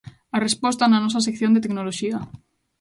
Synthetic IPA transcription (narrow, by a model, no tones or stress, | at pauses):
arespɔst̪ananɔs̬as̬ekθjond̪et̪eknoloʃia